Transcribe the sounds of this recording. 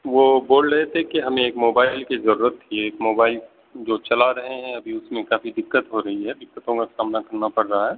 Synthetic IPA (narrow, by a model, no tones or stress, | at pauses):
ʋoboːlɾɐɦet̪ʰekiɦɐmẽeːkmoːbaːɪlkizɐɾuːɾət̪ːieːkmoːbaːɪl | d͡ʒoːt͡ʃɐlaɾɐɦeɦɛ̃ɐbʱiʊsmẽkaːfid̪ɪkːət̪ɦoɾɐɦiɦɛd̪ɪkːət̪õkasaːmnakɐɾnapɐɽːɐɦaɦɛː